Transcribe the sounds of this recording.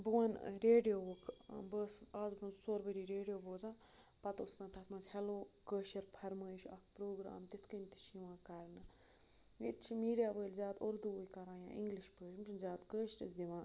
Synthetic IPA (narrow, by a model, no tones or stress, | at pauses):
bɨwɐnɾeːɖijoːkʰbəːsaːzbɐnzsoːɾbəɖiːɾeːɖijoːboːzãː | pɐt̪osnãːt̪ʰɐt̪mɐnzhɛloː | kəːʃɐɾpʰɐɾməːʃʰuɐkpɾoːɡɾa̰ːmt̪it̪ʰkənʲt̪i̥ʃiʋãːkɐɾnɨ | nḭt̪̚t͡ʃʰimiːɖijaːbəːlʲzʲjaːt̪oɾd̪ujkɐɾãːjã̰ːʔḭŋɡliʃbəːʃmpɾɨnzʲaːt̪kəːʃɾḭsd̪iʋãː